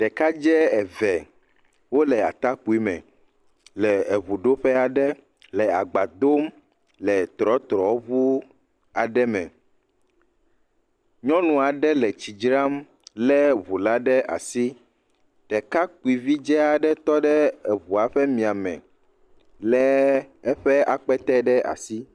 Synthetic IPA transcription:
t̪ɛ˨ka˦d͡ʒɛ˦ɛ˨vɛ˨ | wo˦lɛ˨a̰˨t̪a˦k͡pu˨˦i˦mɛ̰̃˨ | lɛ˨e˨βu˨ɖo˦ɸɛ˦a˨ɖɛ˦ | lɛ˨a̰˨ɡ͡ba˨d̪o˦m | lɛ˨t̪ɾɔ˦t̪ɾɔ˨o˦βu˦ | a˨ɖɛ˦mɛ̰̃˨ | ɲɔ̃˦nũ˨a˨ɖɛ˦lɛ˨t͡ɕi˨d͡ʒɾa˦m | lɛ˦βu˨la˦ɖɛ˦ʔa̰˨si˦ | t̪ɛ˨ka˦k͡pu˨i˨vi˦d͡ʒɛ˦a˨ɖɛ˦t̪ɔ˦ɖɛ˦ɛ˨βu˨a˨ɸɛ˦mĩ˨a˨mɛ̰̃˨ | lɛ˨ɛ˦ɸɛ˦a˨k͡pɛ˦t̪ɛ˦ɖɛ˦a̰˨si˦

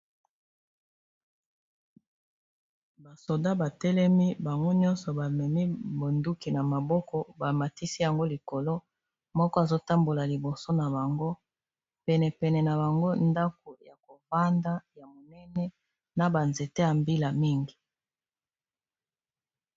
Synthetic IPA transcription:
ba˨so˨da˦ba˨tɛ˦lɛ˦mi˦ba˨ŋɡo˦ɲɔ˦nsɔ˨ba˨mɛ˨mi˦bo˨ndu˦ki˨na˨ma˨bɔ˦kɔ˦ba˨ma˨ti˦si˦ja˨ŋɡo˦li˨ko˨lo˦ | mɔ˦kɔ˦a˨zo˦ta˦mbo˨la˨li˨bo˨so˦na˨ba˨ŋɡo˦ | pɛ˨nɛ˨pɛ˨nɛ˨na˨ba˨ŋɡo˦nda˦k̚o˨ja˨ko˨va˦nda˦ja˨mo˨nɛ˦nɛ˦ | na˨ba˨nze˨te˦ja˨mbi˦la˨mi˦ŋɡi˨

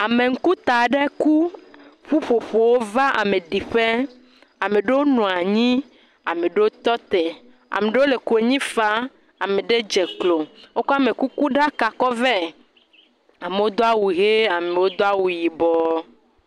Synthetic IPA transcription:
a˨mẽ˨ŋ̩˦ku˦t̪a˨ɖe˦ku˦ɸu˦ɸo˨ɸo˨wo˦va˦ʔa̰˨mẽ˨ɖi˨ɸe˦ | a˨me˨ɖe˦wo˦nɔ̃˨a˨ɲĩ˦ | a̰˨me˨ɖe˦wo˦t̪ɔ˦t̪e˨ | a̰˨me˨ɖe˦wo˦le˨ku˨e˨ɲĩ˦fa˦ | a˨me˨ɖe˦d͡ʒe˨klo˨wo˦kɔ˦a˦me˨ku˦ku˦ɖa˦ka˨kɔ˦vɛ˦ | a˨me˨wo˦d̪o˦a˦wu˨ɣe˦a˨me˨wo˦d̪o˦a˦wu˨ji˨bɔ˨˦

